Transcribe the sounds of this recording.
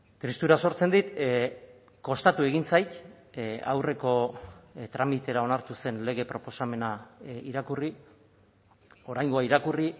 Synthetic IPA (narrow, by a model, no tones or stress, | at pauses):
t̪ɾist̪uɾaso̞ɾt͡se̞nd̪it̪ | ko̞st̪at̪ue̞ɣ̞int͡sajt̪ | a̰wre̞ko̞ | t̪ɾamit̪e̞ɾao̞naɾt̪use̞nle̞ɣ̞e̞pɾo̞po̞same̞naiɾakuri | o̞ɾajŋɡo̞aiɾakuri